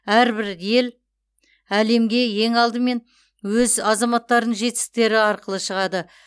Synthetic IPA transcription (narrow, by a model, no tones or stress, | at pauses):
æɾbɪɾje̞l | æle̞mɡʲe̞je̞ŋɑlˠd̪əme̞n | wɵzɑzɑmɑt̪ːɑɾd̪ənʒe̞t̪ɪ̥st̪e̞ɾɪɑɾqəlˠəʃəʁɑd̪ə